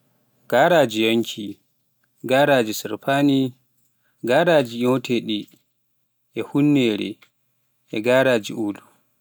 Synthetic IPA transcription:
ɡ̥aɾaːd͡ʒijoŋkʰi | ɡaɾaːd͡ʒisiɾpʰani | ɡaːɾaːd͡ʒiɲɔwtʰɛɗi | ʔɛhunːɛːɾɛ̰ | ʔɛɡaːɾaːd͡ʒiuːlu

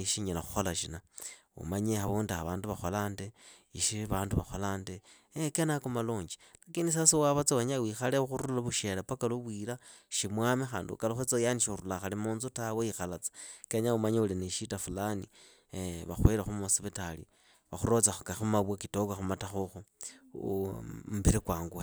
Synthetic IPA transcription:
iʃiɲelaxu̥xolaʃina | ṵmaɲexaβuːndaaβaːnduβaxolaːnde | iʃiβaːnduβaxolaːnde | ekenakumaloːɲd͡ʒi̥lakiːndis̬asiwaβat͡saweɲawiːxaleuxuɾulaβuʃelapakaluβwilaʃimwamexa̰ːndṵkaloxet͡sajaniʃuɾulaxalemuːnzutaweixalat͡sḁkeɲaumaɲeulineʃitafulanḭ | βa̰xweɾexumuasiβetalḭ | βaxuɾo̞t͡saxukaxumaβwakitokwaxumataxuxu | mbiɾikwaːŋɡwe

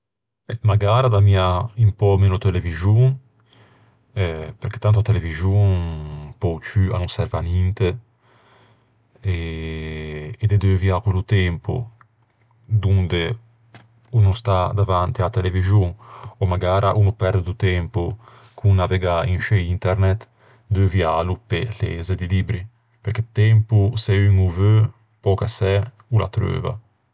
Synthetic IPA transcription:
ɛmaɡaːɾad̪amiaimpɔmenot̪elevizjuŋ | ɛpeɾket̪ːant̪uat̪elevizjunpɔwt͡ʃya̰nunsɛɾvanint̪e | e | d̪ed̪eviakwelut̪ɛmpo̰ | d̪und̪e | unust̪ad̪avant̪iat̪elevizjuŋɔmaɡaːɾʔaʔunupɛɾd̪ed̪ut̪ɛmpu | kʰunnaveɡainʃeint̪ɛɾnɛt̪ | d̪øvjalupelḛzed̪ilibɾi | peɾket̪ɛmpusɛyŋuvø | pɔkasɛ | ula̰t̪ɾø̰ːva̰

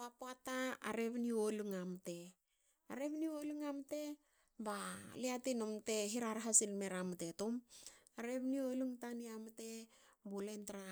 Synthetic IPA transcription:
apoataa̰ɾe̞βnioluŋamte̞ | aɾe̞βnioluŋamte̞ | baliatinomte̞ɦiɾaɾɦasilmeɾamte̞tomaɾe̞βnioluŋtaniamte̞ | bolentaɾa

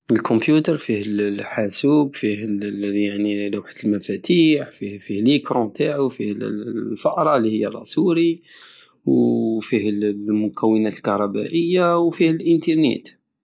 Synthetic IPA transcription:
əlkʰɔmpjut̪əɾˤfihəllħasubfihəljaʕnilwħə̥t̪əlmæfæt̪iħfihfihləkɾɔ̃t̪ʰaʕufihlfɑʔɾˤɑlihəjːæɾˤɑ̰suɾi | wfihlmʊkʰæwːənæt̪əlkɑɾˤɑbæ̰ʔəjːawfihəlʔənt̪əɾˤnḛt̪

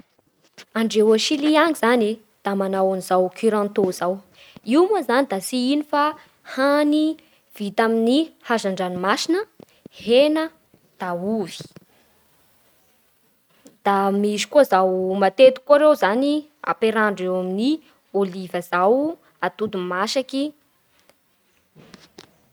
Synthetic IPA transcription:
aɳɖ͡ʐewoʃiliaŋizani | d̪̥amanawanizawkʰiɾãnt̪ozaw | iwmazanid̪asiinifa | hani | v̥it̪aminihazaɳɖ͡ʐanimasinə | henə | d̪̥auvi̥ | d̪̥amizi̥kuazawmat̪et̪u̥kuaɾewzania̰peɾaɳɖ͡ʐewamini | olivəzaw | at̪ud̪umaʃaki

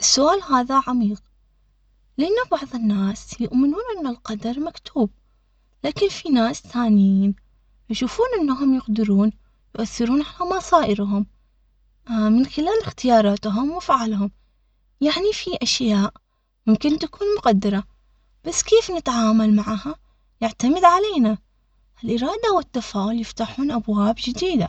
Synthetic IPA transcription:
ʔɪsːʊʔaːlɦaːðaʕamiːq̚ | lɪʔanːabɑʕðˤɪnːaːsjʊʔmɪnuːnʔɪnːalqɑd̪ɑɾˤmakt̪ʰuːb̚ | laːkɪnfinaːsθaːnɪjiːn | jʃuːfuːnʔɪnːaɦʊmjʊqd̪ɪɾuːn | jʊʔaθːɪɾuːnʕalamɑsˤɑːʔɪɾɦʊm | mɪnxɪlaːlɪxt̪ɪjɑːɾˤɑːt̪ɦʊmwɪfaʕalɦʊm | jaʕnifiʔaʃjaːʔ | mʊmkɪnt̪akuːnmʊqad̪ːɑɾˤɑ | b̥asːkeːfnɪt̪ʕaːmalmaʕaha | jɪʕt̪amɪd̪ʕaleːna | ʔɪlʔɪɾˤɑːd̪awɪt̪ːafaːʔʊljɪft̪aħuːnʔabwaːbd͡ʒɪd̪iːd̪a

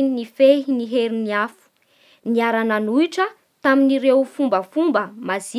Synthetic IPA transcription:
inifeɦiniɦeɾiniafu̥ | niaɾanənuiʈ͡ʂə | t̪aminiɾewfumbəfumbəmazi

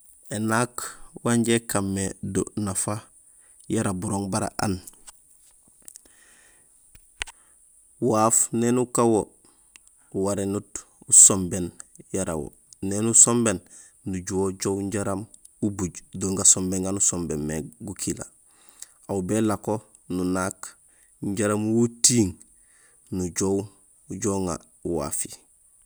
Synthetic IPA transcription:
enakwaɲɟekamːedo̰nafa | jaɾabuɾoːŋbaɾa̰ʔa̰n | waːfnenukawo | uwaɾenut | usombenjaɾa̰wo̰ | nenusombenː | uɟuwoɟowɲɟaɾam | ubuɟdoːŋɡasombeŋɡanusombenmeɡukʰila̰ | awbelako | nunak | ɲɟaɾamwotiːŋ | nuɟow | uɟoŋa̰ | uwa̰ːfi

